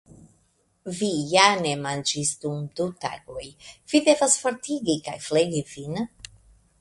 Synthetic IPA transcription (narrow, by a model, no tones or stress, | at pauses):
vijanemand͡ʒisd̪umd̪ut̪a̰ɡojv̥id̪evasfoɾt̪iɡikajfleɡivin